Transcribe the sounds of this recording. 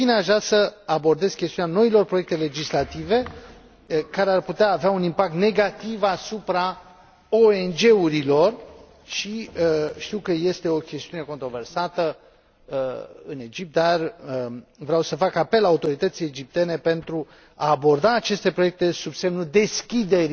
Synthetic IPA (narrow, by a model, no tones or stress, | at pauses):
fineaʒɾasəabo̞rd̪e̞z̥kʲest̪iunʲano̞ilo̞rpɾojek̚t̪e̞le̞d͡ʒislat̪ive̞ | kaɾearput̪eaːveaunimpak̚t̪ne̞ɡat̪ivasupɾa | oe̞nd͡ʒe̞uɾilo̞r | ʃiəʃt̪iwkəje̞st̪e̞o̞kʲe̞st̪iune̞ko̞nt̪ɾo̞ve̞rsat̪ə | əɨne̞d͡ʒip̚t̪̚d̪arəvɾeawsəfakape̞lːaːut̪o̞ɾit̪ət̪siled͡ʒip̚t̪e̞ne̞pe̞nt̪ɾu | aːbo̞rd̪aːt͡ʃe̞st̪e̞pɾo̞jek̚t̪e̞subse̞mnud̪e̞skʲid̪e̞ɾi